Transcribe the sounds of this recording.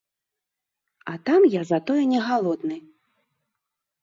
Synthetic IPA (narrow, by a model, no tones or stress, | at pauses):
ɐt̪amjazat̪ɔjɛnʲɛɣalˠɔd̪nɨ